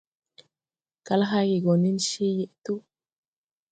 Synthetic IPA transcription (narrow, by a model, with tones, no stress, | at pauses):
ka˦lɦa˦ɡi˨ɡo˨ni˦nʃi˦je˨ʔt̪u˦